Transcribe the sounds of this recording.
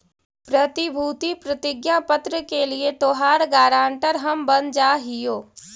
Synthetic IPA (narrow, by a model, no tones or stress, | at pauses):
pɾət̪ibʱuːt̪ipɾət̪ɪɡjapət̪ɾəkeliet̪oːɦaːɾɡaːɾãːɳʈəɾɦɐmbɐnd͡ʒaːɦɪjoː